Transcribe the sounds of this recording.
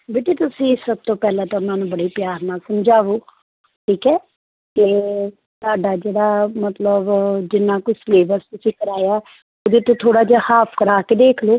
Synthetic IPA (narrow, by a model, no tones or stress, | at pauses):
beːʈeːt̪ʊsĩːsəb̚t̪õːpɛːlãːt̪ãːmɛːnũːbəɽiːpjaːɾnaːsəmd͡ʒaːʋoː | ʈʰiːkɛː | kɪ | saːɖaːd͡ʒeːɽaːmət̪ləbd͡ʒɪnːaːkʊt͡ʃsleːbəɾst̪ʊsĩːkəɾaːjaː | od̪eːt̪õːt̪ʰoːɽaːd͡ʒaːhaːpʰkəɾaːkeːd̪eːkʰloː